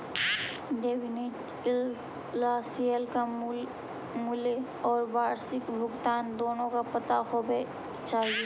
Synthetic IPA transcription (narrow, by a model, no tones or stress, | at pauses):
ɖeːʋɪneʈ | ɪlː | asiəlka | mule | ɔːɾbaːɾsɪkbʱʊɡt̪aːnd̪oːnõkapɐt̪ahobe | t͡ʃaːɦie